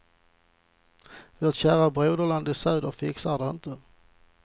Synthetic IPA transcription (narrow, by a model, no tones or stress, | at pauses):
voːt̪ɕæːɾabɾøːd̪əland̪ɪsœːd̪əɾfɪksad̪ɛɪnt̪ə